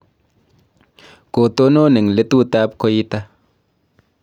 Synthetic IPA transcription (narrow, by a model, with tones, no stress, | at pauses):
ko˨to˦no˦˨ne˨ŋ˨le˨˦tu˦ta˦p̚ko˦ji˦ta˦